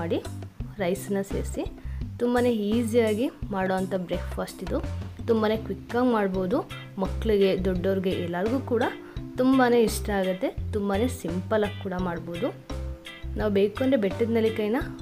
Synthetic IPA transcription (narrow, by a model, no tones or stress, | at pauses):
aːɽiɾɐjsɐnːɐsḛːɾsit̪umbane̞iːzijaːɡimaːɽoːɐnt̪ɐbɾeːkʰfaːsʈid̪ut̪umbane̞kʋikːaːɡmaːɽboːd̪u | mɐkːɐɭiɡe̞d̪ɔɖːɐːɾiɡe̞ʔɛlːɐɾɡuːkuːɽɐ | t̪umbane̞iʂʈɐaːɡɐt̪ːe̞t̪umbane̞simpɐlaːɡ̚kːuːɽɐmaːɽboːd̪u | naːʋubeːkoɳɖɾebeʈːid̪nɐlːikɐjnɐ